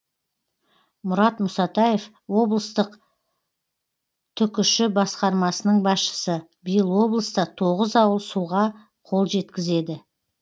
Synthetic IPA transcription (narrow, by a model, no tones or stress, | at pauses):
mʊɾɑt̪mʊsɑt̪ɑjef | wo̞blˠəst̪əq | t̪ʰʏkʲʏʃɪbɑsqɑɾmɑsənəɴbɑsʃə̥sə | bəjəlˠwo̞blˠəst̪ɑt̪ʰo̞ʁəzɑwəlˠsuʁɑ | qʰo̞lˠʒe̞t̪kʲɪze̞d̪ɪ